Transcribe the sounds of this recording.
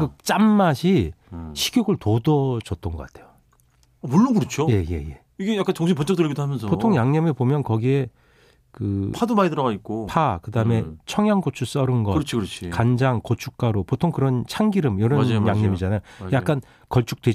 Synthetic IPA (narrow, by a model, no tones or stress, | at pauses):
kɯt͡ɕ͈amːaɕʰiɕʰiɡjoɡɯɭtodʌd͡ʑʌt̚t͈ʌnɡʌk͈atʰe̞jo | ʌmuɭːunɡɯɾʌt͡ɕʰojeje̞̰je̞̰ | iɡejak͈ant͡ɕʌŋɕʰimpʌnt͡ɕʌk̚t͈ɯɭɡidoɦamjʌns̬ʰʌpotʰoŋjaŋɲʌmepomjʌnkʌɡie̞ | kɯpʰadomaidɯɾʌɡaik͈opʰakɯdaɯme̞t͡ɕʰʌŋjaŋɡot͡ɕʰus͈ʌɾɯnɡʌɾt͡ɕʰokɾʌt͡ɕʰikand͡ʑaŋkot͡ɕʰuk̚k͈aɾopotʰoŋkɯɾʌnt͡ɕʰaŋɡiɾɯmjʌɾʌnjaŋɲʌmid͡ʑanajojakk͈an | kʌɭt͡ɕ͈ʰu̥k̚t͈we